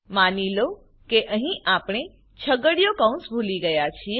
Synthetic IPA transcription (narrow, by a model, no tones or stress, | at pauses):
manilo | keʔəɦĩʔapɳ̃e | t͡ʃʰəɡəɽjokãũnsbʱuliɡəjat͡ʃʰie